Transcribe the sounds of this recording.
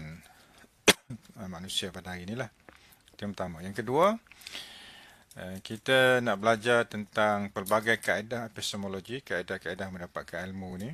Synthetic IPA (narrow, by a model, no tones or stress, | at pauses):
n | manũsiapadaɦaɾinilah | t̪iumpt̪amãjaŋkədua | əkit̪anaʔbəlad͡ʒart̪ənt̪aŋpərbaɡajkaedahpɛst̪omoloɡikaedahkaedahmə̃ndapat̪̚kanilmuni